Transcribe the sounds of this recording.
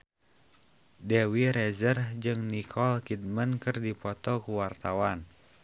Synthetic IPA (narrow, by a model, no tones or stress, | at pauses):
dɛwiɾɛzərd͡ʒɨŋnikʰɔlkid̪̚mənkɨrdipɔt̪ɔkuwart̪awan